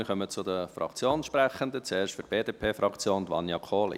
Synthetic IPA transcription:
ɪχœmət͡sʊd̪əfɾrɑ̰kt͡sjoːnʃpɾæχənd̪ət͡seːɾʃtfyɾb̥eːd̪eːpʰeːfɾɑkt͡sjoːnd̪ʋɑ̰njɑkʰoːlḭ

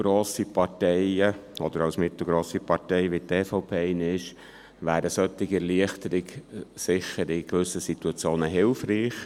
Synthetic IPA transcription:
ɡɾoːsipɑɾtɛɪəɔd̥̪əɾɑʊsmɪt̪l̩ˠɡɾoːsipɑɾtɛɪʋit̪eːfoʊpʰeːɪnɪʃ | ʋæːɾəsœt̪ːɪɡɛliəχtəɾɪɡsɪχəɾɪkʋʏsːəsit̪uɑt͡sjoːnəɦɪlfɾiːχ

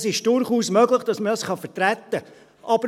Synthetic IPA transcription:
sɪʃd̥ʊɾχuːsmœɡləχd̥ɑsmədɑsχɑfətɾæt̪ːə | ʔɑbə

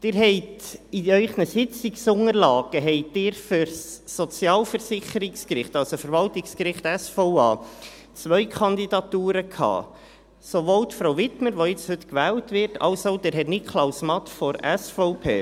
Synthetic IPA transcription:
d̥ɪːɾɦɛɪtiœʏχnəsɪt͡siksʊŋəɾlɑːɡ̥əɦɛɪt̚dɪːɾfʏɾsːɔt͡sjɑːlfəɾsɪχəɾɪkskɾɪχtɑlsofəɾʋɑltɪkskɾɪχtɛsfoʊɑ̰ː | t͡sʋœʏkʰɑnd̪idɑtuːɾəkʰhɑ̰ː | soʋoːltfɾawvɪtməɾʋoɪt͡shʏtkʋɛːltʋɪɾtʰɑ̰lsoʊd̥ɛːɾɦɛtnɪtkʰlɑʊsmɑt̪fɔɾɛsfɔʊpʰḛː

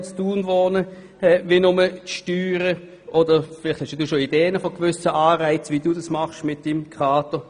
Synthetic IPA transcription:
t͡sd̥uːnvɔːnə | ɛvinʊmət͡sʃtyːʁə | ʔɔdəfɪlɪχthɛʃjaduːʃoideːənəfɔɡ̥vʏsəʔaːʁaɪt͡sviduːdɑsmɑχʃmɪt̚d̥imkʰʁaːtə

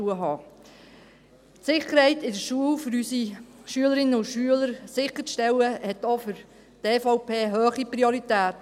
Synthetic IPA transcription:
uəɦɑː | tsɪχəɾhɛɪtɪdəɾʃuəwfʏɾysiʃyələɾɪnːəʊʃyələɾsɪχət͡sʃtɛwəhɛt̪ofʏɾ | teːfɔʊpeːɦøːχipɾioɾit̪æːt

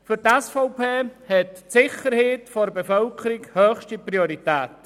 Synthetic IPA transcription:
fʏɾtɛsfɔʊpʰeːhɛtsɪχəɾheːtfoɾbefœlkʰəɾikhøːχʃtipɾioɾitɛːt

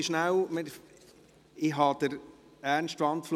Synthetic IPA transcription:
iʃnæwmɪ | ɪɦɑd̪̥əɾ | æːɾnsʃtʋɑntfl

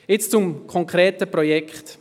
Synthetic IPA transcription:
ɪt͡st͡sʊmkʰɔŋkɾɛːtəpɾojɛkχt

